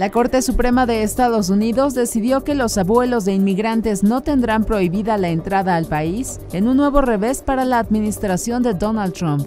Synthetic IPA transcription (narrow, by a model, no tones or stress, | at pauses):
lako̞ɾt̪e̞supɾe̞maðe̞ːst̪aðo̞s̬uniðo̞zd̪e̞siðjo̞ke̞lo̞saβwe̞lo̞zðe̞inmiɣɾant̪e̞zno̞t̪e̞nd̪ɾampɾo̞iβiðalaent̪ɾaðaːlpais | e̞nunːwe̞βo̞re̞βe̞spaɾalaːðmĩnist̪ɾasjo̞nd̪e̞d̪o̞nald̪t̪ɾomp